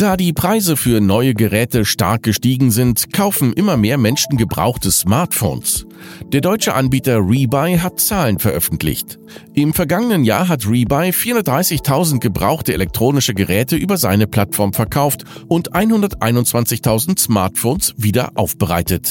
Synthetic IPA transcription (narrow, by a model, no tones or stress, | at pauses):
d̥aːdiːpʁ̥aɪzəfyːɐnɔʏəɡəʁɛːtəʃta̰ɐk̚ɡ̥əʃtiːɡŋ̩zɪntkʰaʊfn̩ʔɪmɐmeːɐmɛnʃn̩ɡəbʁa̰ʊxtəsmaɐtfo̰ːns | d̥eːɐdɔʏt͡ʃəʔanbiːtɐʁiːbaɪɦat̚t͡saːlənfɛɐʔœfn̩tʰlɪ̰çt | ʔɪmfɛɐɡaŋənənja̰ːɐɦatʁiːbaɪfiːɐhʊndɐd̥ʁaɪsɪçtʰaʊzn̩t̚ɡ̥əbʁa̰ʊxtəḛlɛk̚tʁ̥oːnɪʃəɡəʁɛːtəʔyːbɐza̰ɪnəpl̥atfɔɐmfɛɐkʰaʊftʔʊntʔaɪnhʊndɐtʔa̰ɪnʊntt͡sv̥ant͡sɪçtʰaʊzn̩tsmaɐtfoːnsv̥iːdɐ̰ʔaʊfb̥əʁa̰ɪtət